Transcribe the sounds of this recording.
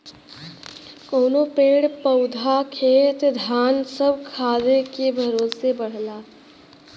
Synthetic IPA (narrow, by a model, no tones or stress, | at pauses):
koːnopeːɽpəʊd̪ʱakʰeːt̪d̪ʱaːnsəbʱkʰaːd̪ekebʱəɾoːsebəɽ̤laː